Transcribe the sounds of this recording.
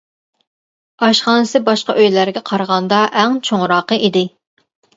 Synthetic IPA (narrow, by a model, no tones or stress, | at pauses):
ɑʃχɑnɨsɨbɑʃqɑʔøjlæɾɡʲɛqʰɑɾʁɑnd̪ɑʔæŋt͡ʃʰoŋɾɑːqəʔid̪ɪ